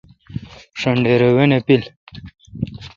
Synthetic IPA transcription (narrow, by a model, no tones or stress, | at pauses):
ʂəɳɖeɾewenepil